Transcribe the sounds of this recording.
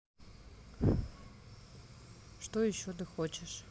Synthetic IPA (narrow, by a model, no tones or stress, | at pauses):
ʂt̪ojɪɕːot̪ɨxot͡ɕɪʂ